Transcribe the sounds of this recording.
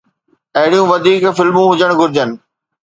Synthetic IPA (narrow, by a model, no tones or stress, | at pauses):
ɐɦɪɽijũʋɐd̪ʱiːkfɪlmũɦʊd͡ʑəɽ̃ɡʱʊɾɪd͡ʑənɪ̆